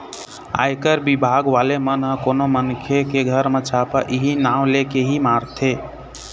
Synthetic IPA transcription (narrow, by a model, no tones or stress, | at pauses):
a̰jkəɾbibʱaɡʋalemənɦə̃konomənkʰjekeɡʱəɾmẽt͡ʃʰapəʔiɦinaʊ̃lekeɦimaɾt̪ʰe